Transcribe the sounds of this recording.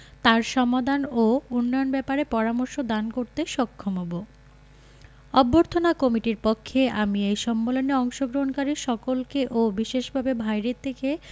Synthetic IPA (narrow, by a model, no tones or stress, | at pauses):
t̪aɾʃɔmad̪ʱanounːɔjonbɛpaɾepɔɾamoɾʃod̪ankoɾt̪eʃɔkʰːomɦobo | ɔbːoɾt̪ʰonakɔmiʈiɾpokʰːeamiejʃɔmːeloneɔŋʃoɡɾoɦonkaɾiʃɔkolkeʔobiʃeʃbʱabebʱajɾet̪ʰeke